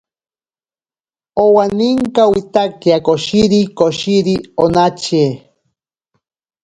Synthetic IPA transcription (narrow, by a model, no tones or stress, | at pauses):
owaniŋkawit̪akiakoʃiɾikoʃiɾionat͡ʃe